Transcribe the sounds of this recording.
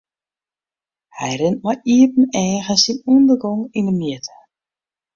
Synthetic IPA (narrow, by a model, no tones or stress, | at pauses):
hɛjɾɪnt̚majʔiətn̩ɛːɣəsinundərɡɔŋindəmiətə